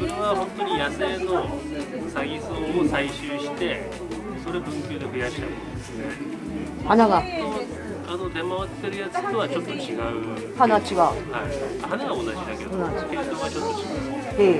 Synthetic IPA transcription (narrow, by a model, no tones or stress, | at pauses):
koɾiβahont̪ːo̞ɲijase̞nosaɡʲisoosaiɕɯːɕi̥t̪e̞ | so̞ɾe̞bɯŋkʲjoːd̪e̞ɸɯjaɕiat | d̪esne | hanaɡano | anot̪e̞maβat̪ːe̞ɾɯjat͡sɨ̥t̪oβat͡ɕo̞t̪ːo̞t͡ɕiɡaɯ | hanat͡ɕiɡahaihanaɡaonad͡ʑid̪ake̞d̪onakeɯt̪oɡat͡ɕot̪ːot͡ɕiɡaɯ | e̞